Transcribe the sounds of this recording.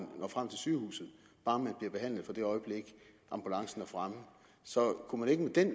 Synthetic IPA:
nnɒ̰fʁam̰t͡sʰe̝lsyːhṵːsð̩ˠ | b̥ɑ̈ːmænb̥liɐb̥e̝ɦæn̰lð̩ˠfɒ̽d̥e̝ɒ̽ɪb̥leɡ̥ | ʔɑ̈mb̥ulɑ̈ŋsn̩æɐfʁamə | sɒ̽kʰumæne̝ɡ̥əmed̥en

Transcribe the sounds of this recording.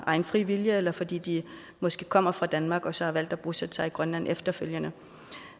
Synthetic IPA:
ʔɑ̈ɪnfʁiʋiljəelɐfɒ̽d̥ḭːd̥i | mɒ̽sɡ̥e̝̰ːkʰɒ̽m̰ɐfʁɑ̈d̥ænmɑ̈ːɡ̥ɒ̽sɒ̽hɑ̈ʋæl̰d̥æb̥ʁusæt͡sʰɑiɡ̥ʁɶnlæn̰efd̥ɐføljənə

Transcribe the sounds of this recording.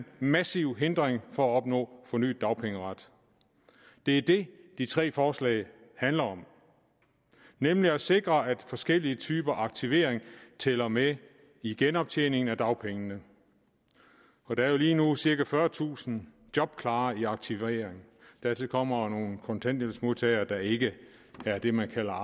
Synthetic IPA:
nmæsiʊɦe̝nd̥ʁeŋfɒ̽æɒ̽b̥nɔ̰̽ːfɒ̽ny̰ːd̥ːɑ̈ʊpʰeŋəʁɑd̥ | d̥e̝æɐd̥e̝d̥it͡sʰʁɛ̰ːfɒːslɛ̰ɪ | hænlɐɒ̽m | nemliæse̝ɡ̥ʁɐæd̥fɒ̽sɡ̥el̰iət͡sʰyːb̥ɐɑ̈ɡ̥̚t͡sʰiʋe̝ːɐ̰eŋt͡sʰɛlɐme | iɡ̥enɒ̽b̥̚t͡sʰḛːne̝ŋn̩æd̥ɑ̈ʊpʰeŋənə | ɒ̽d̥eæɐjo̝liːnusiɐɡ̥æfɶːɐt͡sʰṵːsn̩ | d̥jɒ̽b̥kʰlɑ̈ːiɑ̈ɡ̥̚t͡sʰiʋeːɐeŋ | d̥æɐt͡sʰeðkʰɒ̽m̰ɐno̝ːn̩kʰɒ̽nt͡sʰen̰d̥elsmo̝ðˠt͡sʰɛ̰ɪ̰ɐd̥ɑ̈e̝ɡ̥əæɐd̥e̝mænkʰæl̰ɐ

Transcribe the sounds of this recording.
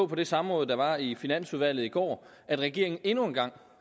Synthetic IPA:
pʰɒ̽d̥e̝sɑ̈mʁɔ̽ːð̩ˠd̥ɑ̈ʋɑ̈ifinæn̰suðˠʋæl̰ð̩ˠiɡ̥ɒ̰ː | æd̥ʁaɡ̥e̝ɐ̰eŋn̩e̝nue̝nɡ̥ɑ̈ŋ̰

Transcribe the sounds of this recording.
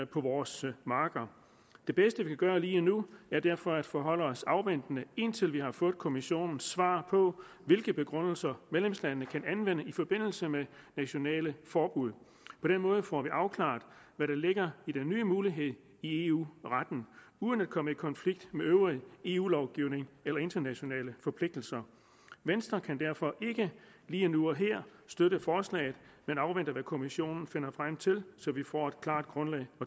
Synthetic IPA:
pʰɒ̽ʋɒːsmɑ̈ːɡ̥ɐ | d̥e̝b̥esd̥əʋikʰæɡ̥ɶːɐliːɒnuæɐd̥æɐ̰fɒ̽æd̥fɒɦɒ̽l̰əɒ̽sɑ̈ʊʋen̰d̥nəe̝nt͡sʰe̝lʋiɦɑ̈fɔ̽ːðˠkʰo̝miɕo̝̰ːnn̩sʋɑ̰̈ːpʰɒ̽ | ʋe̝lɡ̥əb̥e̝ɡ̥ʁɔn̰l̩sɐmeðlemslænənəkʰænænʋen̰əifɒ̽b̥e̝n̰l̩səmenæɕo̝nɛ̰ːləfɒːb̥uð̞ˠ | pʰɒ̽ɾ̥enmɔ̽ːð̞ˠəfɒːʋiʔɑ̈ʊkʰlɑ̈ːd̥ | ʋæɾɑ̈le̝ɡ̥ɐid̥enːyːəmuːliɦe̝ð̞̰ˠ | ie̝ṵʁad̥n̩ | uːðˠənæd̥̚kʰɒ̽məikʰɒ̽nfliɡ̥d̥meøʊʁie̝ːṵːlɒʊɡ̥iʊne̝ŋelɐe̝nd̥ɐnæɕo̝nɛ̰ːləfɒ̽pʰle̝ɡ̥̚d̥l̩sɐ | ʋensd̥ʁɐkʰænd̥æɐ̰fɒ̽ʔe̝ɡ̥ə | liːnuɒ̽ɦeɐ̰sd̥øɾəfɒːslɛ̰ːɪð̩ˠmenɑ̈ʊʋen̰d̥əʋækʰo̝miɕo̝̰ːnn̩fe̝nɐfʁam̰t͡sʰe̝lsɒ̽ʋifɒ̰ːe̝d̥̚kʰlɑ̰̈ːd̥̚ɡ̥ʁɔ̽nlɛ̰ɪɒ̽

